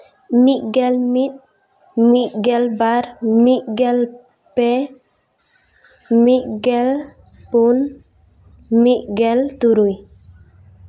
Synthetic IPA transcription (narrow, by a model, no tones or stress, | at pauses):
miʔɡɛlmit̪̚ | miʔɡɛlbaɾmiʔɡɛl | pɛ | miʔɡɛl | pun | miʔɡɛlt̪uɾuj